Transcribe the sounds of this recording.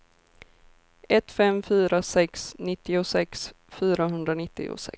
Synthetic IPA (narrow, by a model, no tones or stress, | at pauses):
ɛt̪ːfɛmfyːɾasɛksnɪt̪ːɪʊsɛks | fyːɾaɦɵnd̪ɾanɪt̪ːɪ̰ʊ̰sɛ̰